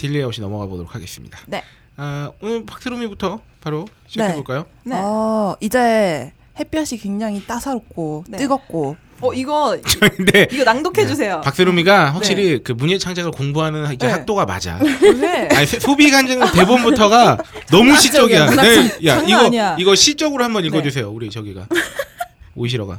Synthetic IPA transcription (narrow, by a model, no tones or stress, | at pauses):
tiʎːieok̚ɕʰinʌmʌɡabodoɾokʰaɡe̞s͈ɯmɲḭdan | aonɯɭpak̚s͈ɯɾomibutʰʌ | paɾo | ɕʰieboɭk͈ajo | ʌid͡ʑe | hep͈iɦaɕʰikwe̞ŋd͡ʑaŋit͈asʰaɾok̚k͈ot͈ɯɡʌt̚k͈o | ʌiɡʌndeiɡʌnaŋdokʰed͡ʑus̬ʰe̞jopak̚s͈ɯɾomiɡaɸwak̚ɕ͈iɾikɯmuɲet͡ɕʰaŋd͡ʑaɡɯɭkoŋbuɦanɯniehak̚t͈oɡama̰d͡ʑa̰eaɲisʰesʰobikʰand͡ʑɯŋɯnte̞bombutʰʌɡanʌmuɕʰit͡ɕ͈ʌɡianejaiɡʌiɡʌɕʰit͡ɕ͈ʌɡɯɾohambʌniɭɡʌd͡ʑusʰe̞jouɾit͡ɕʌɡiɡa̰ | o̰ɕ̬ʰiɾʌɡa̰